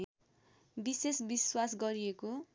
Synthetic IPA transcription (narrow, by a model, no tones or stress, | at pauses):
bisesbiswasɡʌɾieko